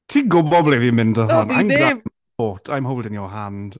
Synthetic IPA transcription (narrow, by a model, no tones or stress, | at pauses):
tʰiːɡʊbɔblevimɪndəhɔnajmɡam | oːtʰajmɦowlˠdɪnjɔɦand̥